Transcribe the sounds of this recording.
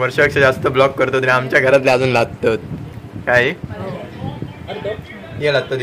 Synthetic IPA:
ʋəɾɕəeksəd͡zast̪əblɔkːəɾt̪ot̪ɾĩamt͡ɕjaɡʱəɾat̪leaad͡zuːnlaɡ̚t̪at̪̚kaɦe | jelaɡ̚t̪at̪

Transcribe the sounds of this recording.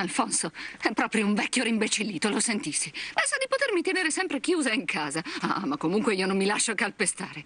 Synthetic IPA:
alfɔnsoɛpːɾɔːpɾjouɱvɛkʲːjoɾimbet͡ʃilːiːt̪olosent̪isːipɛnsad̪ːipot̪ermit̪eneːɾesɛmpɾekjuːzaiŋkʰaːzaa̰makːomuŋkweiːonomːilaʃːoakːalpest̪aːɾe

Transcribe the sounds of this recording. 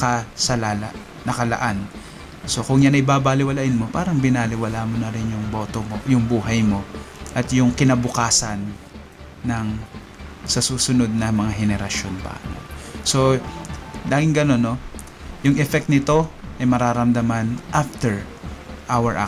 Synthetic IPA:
kɐsɐlaːla̰ | nɐkɐlɐ̰ʔan | so̞kʊŋjanɐjbaːbalɪwɐlaːʔɪnmo̞paːɾɐŋbɪnalɪwɐlaːmonɐɾɪnjʊŋbo̞ːt̪omojʊŋbuːɦɐjmo̞ʔɐt̪jʊŋkɪnɐbʊkaːsɐnː | ɐŋ | sɐsuːsʊno̞d̪̚nɐmɐŋaɦɛnɛɾɐʃo̞npɐ̰no̰so̞ | d̪aːɡɪŋɡɐno̞nːo̞ | jʊŋʔɛfɛk̚t̪nɪt̪o̞ʔɐjmɐɾaːɾɐmd̪ɐmanʔaft̪ɛɹ | ʔawɛɹʔa̰

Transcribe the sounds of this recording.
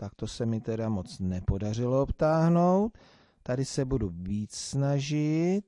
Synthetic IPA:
t̪akt̪o̞sɛmɪt̪ɛdamot͡snɛpo̞dar̝ɪlo̞opt̪aːɦno̞wt̪̚ː | adɪsɛbuduviːt͡ssnaʒɪt̪̚

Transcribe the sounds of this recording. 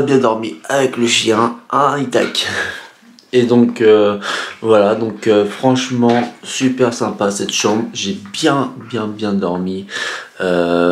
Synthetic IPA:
bjɛ̃d̪ɔʁmiavɛkləʃjɛ̃ɛ̃it̪ak | ed̪ɔ̃køvwalad̪ɔ̃køfχɑ̃ʃmɑ̃sypɛʁsɛ̃pasɛt̪ʃɑ̃bʁʒebjɛ̃bjɛ̃bjɛ̃d̪ɔʁmiø

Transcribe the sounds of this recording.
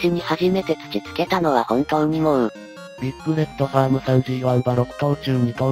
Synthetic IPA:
ɕɨɲ̟ihaʑime̞t̪e̞t͡sɨ̥kʲizɨ̥ke̞t̪ano̞βahõ̞nt̪õːɲ̟ːimõɯ | bʲikːɯ̟ɾe̞t̪ːo̞ɸaːmɯ̟sãɲ̟d͡ʑiːβãɰbaɾo̞kɯ̟̥kaot͡ɕɨːɲ̟ika

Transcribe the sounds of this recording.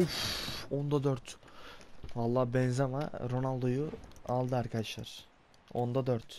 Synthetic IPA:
uond̪ad̪øɾt̪ | valˠːaːbɛnzama̰ɾo̞nalˠd̪ojualˠd̪ɯaɾkʰad̪aʃlˠa̰ɾ̥ | ond̪ad̪øɾt̪

